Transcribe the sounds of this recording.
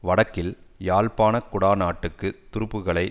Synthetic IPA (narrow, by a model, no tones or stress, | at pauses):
ʋɐɽɐkːɪljaːlpaːnɐkʊɽaːnaːʈːɯkːɯt̪ʊɾɯpːɯɣɐɭɐɪ